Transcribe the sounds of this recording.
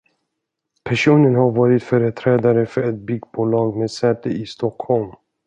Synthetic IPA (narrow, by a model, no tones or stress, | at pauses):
pʰæʂuːnənhaɾvɑːɾɪt̪fœːɾət̪ʰɾɛːd̪aɾəfœɾɛt̪̚bʏɡbuːlɑːɡmeːd̪sɛːt̪əʔɪst̪ɔkhɔlm